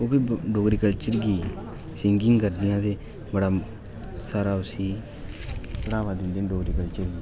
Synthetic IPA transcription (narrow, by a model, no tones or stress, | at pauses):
ubidoɡɾikalt͡ʃiɾɡi | siŋɡiŋɡaɾd̪ijad̪e | baɽa | saɾawsi | ɽawad̪ind̪endoɡɾikalt͡ʃiɾɡi